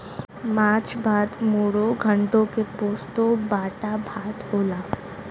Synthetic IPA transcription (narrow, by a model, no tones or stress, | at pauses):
maːt͡ʃbaːd̪moːɽoɡʱə̃ɳʈõkepoːst̪õbaːʈabʱaːt̪hoːlaː